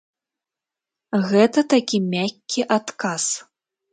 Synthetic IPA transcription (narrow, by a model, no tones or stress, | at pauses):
ɣɛt̪ɐt̪akʲimʲakʲːiʔat̪kas